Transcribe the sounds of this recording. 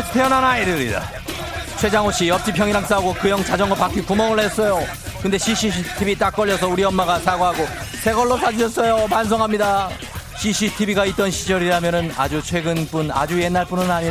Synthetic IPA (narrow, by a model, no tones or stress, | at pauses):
pʰeʌnanaiɾɯɾḭda̰ | t͡ɕʰwe̞d͡ʑaŋɦoɕ͈iʌp̚ɕ͈ipʰjʌŋiɾaŋs͈auɡokɯjʌŋt͡ɕad͡ʑʌŋɡʌpak͈ikumʌŋɯɭhes͈ʌjo | kɯnde̞ɕʰiɕʰitʰibit͈ak̚k͈ʌʎːʌsʰʌuɾiʌmːaɡasʰaɡoɦaɡo | sʰe̞ɡʌɭːosʰad͡ʑiʌs͈ʌjopans̬ʰʌŋɦamɲida | ɕʰiɕʰitʰibiɡait̚t͈ʌnɕʰid͡ʑʌɾiɾamjʌnɯna̰d͡ʑut͡ɕʰwe̞ɡɯnp͈una̰d͡ʑuje̞nːaɭp͈unɯnaɲiɾa